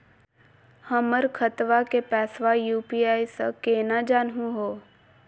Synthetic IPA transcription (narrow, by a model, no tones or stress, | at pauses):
həməɾkʰət̪ʋakepɛːsʋajuːpijaːisə̰keːnad͡ʒaːnɦũɦoː